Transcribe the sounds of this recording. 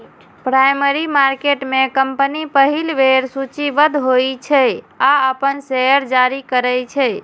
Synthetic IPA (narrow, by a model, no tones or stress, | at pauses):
pɾajməɾimaɾkeʈmekəmpənipəɦilʋeɾsut͡ʃiʋəd̪ʱɦojt͡ʃʰɛ | aəpənsejəɾd͡ʒaɾikəɾɛjt͡ʃʰɛ